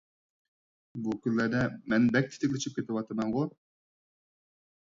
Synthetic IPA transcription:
bukʲynlæɾd̪ɛmɛnbɛk̚ʲt̪ʰɪ̥t̪ʰɪkʲlʲɪt͡ʃʰip̚kʲet̪ɪwɑt̪ʰəmɑŋʁo

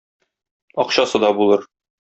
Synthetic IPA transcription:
ɒqɕɑsɤd̪ɒbulˠɤɾ

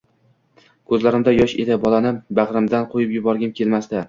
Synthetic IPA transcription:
kʰɵzlaɾɪmd̪ajɒʃed̪ɪbɒlˠanɪbaʁɾɪmd̪anqʰojɪpjʊbɒɾɡʲankʲʰe̞lmast̪a

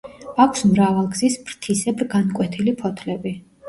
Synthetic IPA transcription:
akʰsmɾavalˠɡzisbɾt̪ʰisɛbɾɡankʼwɛt̪ʰilipʰɔt̪ʰlɛbi

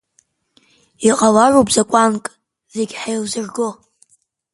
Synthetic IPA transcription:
iqʼalaropʰʼzakʷʼankʼ | zeɡʲħajlzɨrɡo

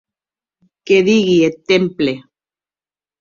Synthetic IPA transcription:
keðiɣiet̪emple

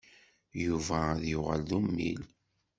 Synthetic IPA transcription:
juvæðjʊʁəlðumːḭl

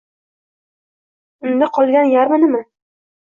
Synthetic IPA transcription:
ɪnd̪ɪqʰɒlˠɡʲanjaɾmanɪma

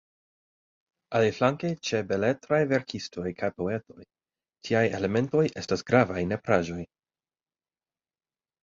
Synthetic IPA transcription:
ʔaliflaŋkejt͡ʃe̞bele̞tɾajve̞ɾkʰisto̞jkʰajpo̞e̞to̞̰j | tʰiajḛle̞me̞nto̞je̞stasɡ̥ɾavajne̞pɾaʒo̞j

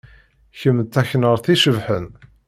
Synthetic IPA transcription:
çəmːt̪ːæçnəɾˤθiʃəvħən

